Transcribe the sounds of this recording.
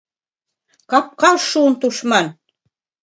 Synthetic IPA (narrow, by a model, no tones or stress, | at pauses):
kɑp̚kɑlʃunt̪uʃmɑn